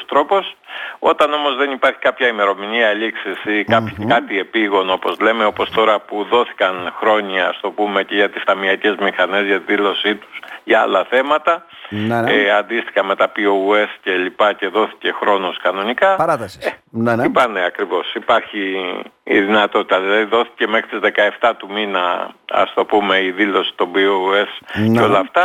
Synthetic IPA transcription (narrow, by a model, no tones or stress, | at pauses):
st̪ɾo̞po̞so̞t̪ɐno̞mo̞zðe̞nipɐɾçi̥kɐpçɐime̞ɾo̞miniɐliksisikɐpçkɐt̪ie̞piɣo̞no̞po̞zle̞me̞o̞po̞st̪o̞ɾɐpuðo̞θi̥kɐnxɾo̞ɲiɐst̪o̞pume̞ce̞ʝɐt̪ist̪ɐmiɐce̞zmixɐne̞zʝɐt̪iðilo̞sit̪u̥sʝɐɐ̰lɐθe̞mɐt̪ɐ | eɐnd̪ist̪i̥xɐme̞t̪ɐpioue̞sce̞lipɐce̞ðo̞θi̥ce̞xɾo̞noskɐno̞nikɐɐɾɐθɐsenipɐneɐkɾivo̞sipɐɾçiː | ðinɐt̪o̞t̪it̪ɐðilɐðiðo̞θi̥ce̞me̞xɾit̪izðe̞kɐe̞ft̪ɐt̪uminɐ̰ɐ̰st̪o̞pume̞iðilo̞si̥t̪o̞bioe̞sceo̞lɐft̪ɐ